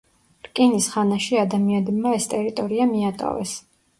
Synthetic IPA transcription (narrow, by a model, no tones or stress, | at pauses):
ɾkʼinisχanaʃiad̪amianɛbmaɛst̪ʼɛɾit̪ʼɔɾiamiat̪ʼa̰vɛ̰s